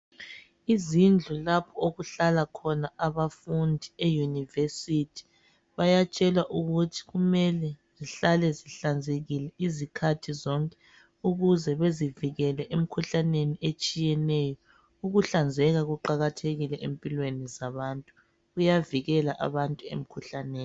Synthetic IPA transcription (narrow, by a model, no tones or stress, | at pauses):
izind͡ɮʱulapʰɔoɣuɬalakʰɔnaaβafundʱiejunivesitʰi̥ | βajat͡ʃʼɛlwaʔuɣutʰi̥ɣumɛlɛziɬalɛziɬand͡zʱeɣilɛʔizikʰatʰizɔŋkʼɛ̥ | uɣuzɛβeziviɣɛlɛʔem̩kʰuɬaneniet͡ʃʼijɛnɛjɔ | uɣuɬand͡zʱɛɣaɣuǃaɣatʰeɣilɛʔempʼilwenizaβantʼu | ɣujaviɣɛlaʔa̰βantʼuḛm̩kʰuɬaneːnn